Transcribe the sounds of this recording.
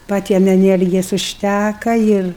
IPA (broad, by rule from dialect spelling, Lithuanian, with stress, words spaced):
pɐˈtʲiɛm ɛˈnʲiɛrʲɡʲɪjɛs ʊʃʲˈtʲækɐ ˈɪr